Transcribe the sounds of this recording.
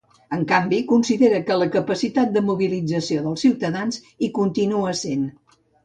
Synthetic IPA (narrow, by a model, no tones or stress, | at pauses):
əŋkambikunsiðeɾəkələkəpəsit̪at̪̚d̪əmuβilid͡zəsioðəlˠsiwt̪əðanz | ikunt̪inuəsen